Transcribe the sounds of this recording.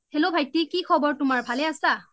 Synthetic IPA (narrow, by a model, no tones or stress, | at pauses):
helobʱajtːikikʰɔbɔɹtʊmaɹbʱalɛasa